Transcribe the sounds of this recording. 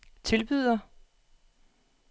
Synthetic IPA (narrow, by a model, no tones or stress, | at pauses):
t͡sʰe̝lb̥yð̰ˠɐ